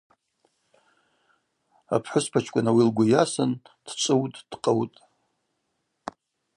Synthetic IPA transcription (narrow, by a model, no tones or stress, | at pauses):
a̰pʰħʷʊspʰat͡ʃʰʼkʷʼanawilɡʷʊjasɨn | d̥t͡ʃʷʼɨwtʼd̥qʼawtʼ